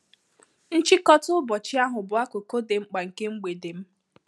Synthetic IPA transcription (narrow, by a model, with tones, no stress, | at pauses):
n̩˦t͡ʃi˦kɔ˦tʊ˦bɔ˨t͡ʃi˦a˦ɦʊ˨bʊ˨a˦ko˨ko˦de˨ŋ͡m̩˦k͡pa˨ŋ̩˨ke˦ŋ͡m̩˦ɡ͡be˨de˨m̩˦